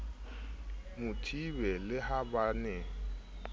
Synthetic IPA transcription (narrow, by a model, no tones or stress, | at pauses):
mutʰibɛlɪhabanɛ